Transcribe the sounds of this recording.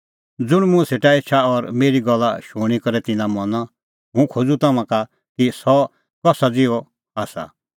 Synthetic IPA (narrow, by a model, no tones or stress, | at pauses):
d͡zʊɽ̃mʊ̃ɛseːʈaeːt͡ʃʰaɔɾmeːɾiɡɔlːa̰ʃuːɽ̃ikɔɾɛt̪ɪnãmɔna | ɦũkʰod͡zut̪ɐmãka | kisɔ | kɔsad͡zɪɔ | aːsa̰